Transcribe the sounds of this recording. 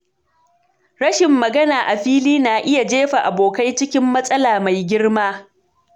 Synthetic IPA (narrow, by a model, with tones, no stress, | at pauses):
ɽɐ˦ʃɪ˨mːɐ˨ɡɐ˦naː˨ʔa˨ɸiː˦liː˦naː˨ʔɪ˦ja˨d͡ʒeː˦ɸa˨ʔa˨boː˨ka˦jt͡ʃɪ˦kʲɪ˦mːɐ˦sʼɐ˦laː˨ma˨jɡʲɪ˦ɽmaː˦